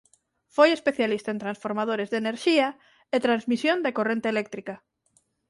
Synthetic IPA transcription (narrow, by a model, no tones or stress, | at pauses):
fojespeθjalist̪aẽnt̪ɾãnsfoɾmað̞oɾezðeneɾʃia | et̪ɾanzmisjond̪akorent̪elɛk̚t̪ɾika